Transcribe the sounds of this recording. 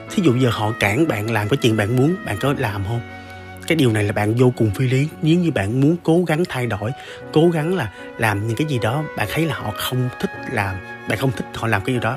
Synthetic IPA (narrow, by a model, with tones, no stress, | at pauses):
t̪ʰi˨˦zṵ˧˨ɓə˧jzəː˨˩hɔ̰˧˨kaː˧˩ŋɓa̰ː˧˨nlaː˨˩mkaː˨˦t͡ɕḭ˧˨nɓa̰ː˧˨nmu˨˦ənɓa̰ː˧˨nkɔ˨˦laː˨˩mɦə˧ŋ͡m | kaː˨˦jɗi˨˩əwna˨˩jlaː˨˩ɓa̰ː˧˨nzo˧kʊ˨˩ŋ͡mfi˧li˨˦ɲi˨˦əwɲɨ˧ɓa̰ː˧˨nmu˨˦ənko˨˦ɣa˨˦ŋt̪ʰa˧jɗo˧˩˨j | ko˨˦ɣa˨˦ŋlaː˨˩ | laː˨˩mɲɨ̰˧˥ŋkaː˨˦jzi˨˩ɗɔ˨˦ɓa̰ː˧˨nt̪ʰə˨˦jlaː˨˩hɔ̰˧˨xə˧wŋ͡mt̪ʰï˦˥k̚laː˨˩m | ɓa̰ː˧˨xə˧wŋ͡mt̪ʰï˦˥k̚hɔ̰˧˨laː˨˩mkaː˨˦jɗɗɔ˨˦